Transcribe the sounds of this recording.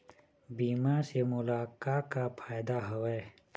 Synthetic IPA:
biːmasemʊlaːkaːkapʰaːjd̪aɦɐweː

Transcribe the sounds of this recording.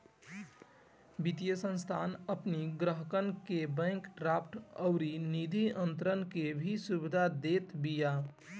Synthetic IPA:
bit̪ijəsə̃nst̪ʰaːnəpniɡɾəɦəkənkebə̃ŋkɾapʰʈəʊɾinid̪ʱiənt̪ɾənkebʱisubid̪ʱad̪et̪bija

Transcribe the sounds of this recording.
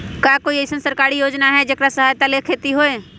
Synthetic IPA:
kaːkoːiesənsɐɾkaːɾijoːd͡ʒnaɦɛd͡ʒɐkɾasɐɦaːjt̪alekʰeːt̪iɦoeː

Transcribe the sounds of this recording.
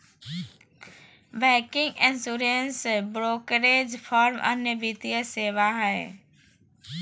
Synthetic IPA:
ʋɛːkɪ̃ŋɡɪ̃nsuːɾensbɾoːkɾeːd͡ʑfɔːɾmʔɐ̰njəʋit̪iəseːʋaɦɛe

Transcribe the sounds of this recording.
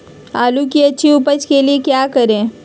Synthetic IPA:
aːlukiəːʃʰiupət͡ʃkeliekjakəɾẽ

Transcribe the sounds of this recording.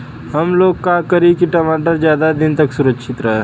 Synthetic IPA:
ɦɐmloːɡkakəɾikiʈɐmaːʈ̬əɾzjaːd̪ad̪ɪnt̪ɐksʊɾəkʃʰɪt̪ɾɐɦɛ

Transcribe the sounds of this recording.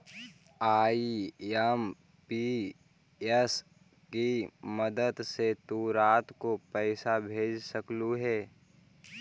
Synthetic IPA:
aːiɛm | pi | ɛs | kiməd̪əd̪set̪uɾaːt̪kopɛɪsabʱeːd͡ʒsəkluɦɛː

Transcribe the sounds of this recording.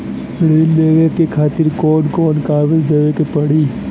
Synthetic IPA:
ɽindeːʋekekʰaːt̪ɪɾkoːnkoːnkaːʋɪzd̪eːʋekepɐɽiː

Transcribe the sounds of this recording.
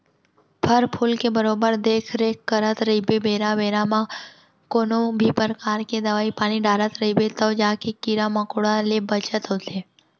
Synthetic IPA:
pʰəɾpʰulkebəɾobəɾd̪ekʰɾekːəɾət̪ɾəɦibebeɾaʋeɾamã | konobʱipəɾkaɾked̪əʋaipañiɖaɾət̪ɾəɦibet̪od͡ʒakekiɾaməkoɽalebət͡ʃət̪ɦot̪e

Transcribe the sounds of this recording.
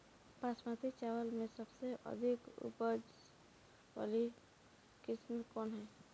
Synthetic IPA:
pasmat̪it͡ʃawəlmẽsəbseʔə̰d̪ʱikṵpəd͡ʒ | ʋa̰li | kɪsmekɔːnɦɛː

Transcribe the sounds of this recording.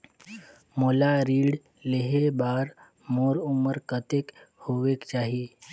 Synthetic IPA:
molaɾiːɽ | leɦebaɾ | moːɾuməɾkət̪ekhoʋekt͡ʃaːɦie

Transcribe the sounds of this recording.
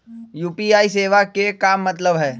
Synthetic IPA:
juːpiaːiseːʋakekaːmːɐt̪ləbɦɛː

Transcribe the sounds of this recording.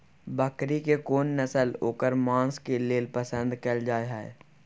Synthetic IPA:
bəkɾikekoːnːəsəloːkəɾmãːnskeleːlpəsə̃nd̪keld͡ʒaːeɦɛ̰ː

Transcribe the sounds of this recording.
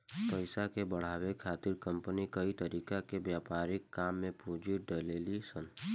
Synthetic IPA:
pəɪsakebəɽ̤aːwekʰaːt̪ɪɾkə̃mpənikəit̪əɾiːkakebjaːpaːɾɪkːaːmːẽpuːd͡ʒiɖəleːlisən

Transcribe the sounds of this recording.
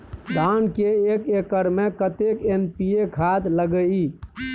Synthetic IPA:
d̪ankeekekəɾmekət̪ekenpiekʰat̪ləɡəi

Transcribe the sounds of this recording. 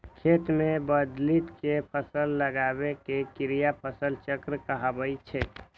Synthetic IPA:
kʰet̪mẽbəd̪lit̪kepʰəsəlːəɡabekekɪɾijapʰəsəlt͡ʃəkɾəkəɦabəit͡ʃʰɛ

